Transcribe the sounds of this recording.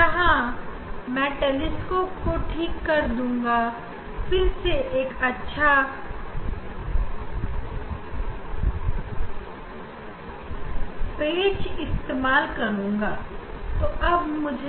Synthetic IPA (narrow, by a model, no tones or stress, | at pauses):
kɐɦã | mɛ̃ːʈəlɪskokoʈʰiːkːɐɾd̪ũːŋɡa | fɪɾseʔeːkɐtːʃʰa | peːt͡ʃɪst̪eːmaːlkɐɾũːŋɡaːt̪oːʔɐbmʊd͡ʒʱ